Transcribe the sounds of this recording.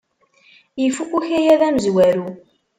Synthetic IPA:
jəfukːuçæjæðæməzwæɾu

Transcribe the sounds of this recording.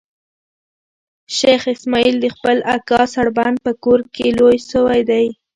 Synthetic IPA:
ʃexɪsmɑild̪əxpəlakɑsaɽband̪̚pəkoɾkelojʃəwajd̪aj

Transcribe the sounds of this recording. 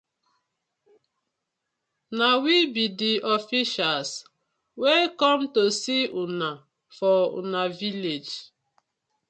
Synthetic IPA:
nawibidiɔfiʃals | wekɔmtosiuna | fɔṵnaviled͡ʒ

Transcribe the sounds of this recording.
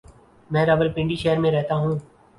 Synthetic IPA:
mɛ̃ːɾɐbəɾpɪ̃ɳɖiːʃeːəɾmẽɾɛɦt̪aɦũː

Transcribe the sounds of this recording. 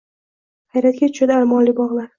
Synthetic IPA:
hajɾat̪̚ɡʲat̪ʰʊ̥ʃad̪ɪalmɒnlibɒʁlˠaɾ

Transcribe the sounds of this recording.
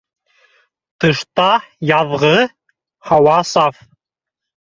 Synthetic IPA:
t̪ɤ̆ʃt̪ɑjɑðʁɤ | hɑwɑsɑf

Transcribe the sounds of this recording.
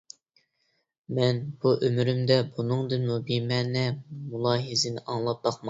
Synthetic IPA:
mɛnb̥uʔømɾymd̪ɛbunɨŋd̪ɨnmubimɛːnɛmulˠɑːɦizɪnɪʔɑŋlˠɑp̚b̥ɑqmɑ

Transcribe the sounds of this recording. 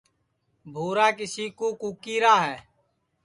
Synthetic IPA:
bʱuːɾaːkɪsiːkoːkuːkiːɾaːɦɛː

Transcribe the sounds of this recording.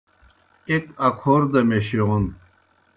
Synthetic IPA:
ekɐkʰoːɾd̪ɐmeɕiʁun

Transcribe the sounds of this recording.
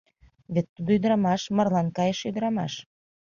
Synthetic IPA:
βet̪ːud̪oyd̪əɾɑmɑʃmə̆rlɑnkɑjeʃyd̪əɾɑmɑ̰ʃ

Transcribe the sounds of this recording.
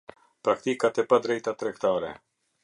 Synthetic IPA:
pɾakt̪ikat̪ɛpad̪ɾɛjt̪at̪ɾɛkt̪aɾɛ̰

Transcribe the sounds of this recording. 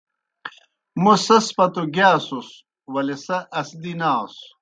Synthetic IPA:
musɐspɐt̪uɡaːsus | wɐlesɐʔɐsd̪inaːs

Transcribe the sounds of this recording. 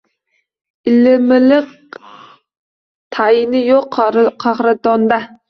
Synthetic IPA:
ɪlɪmɪlɪq̚ | t̪ʰɑjinɪjoqqʰɑχɾɨt̪ɑnd̪ɑ

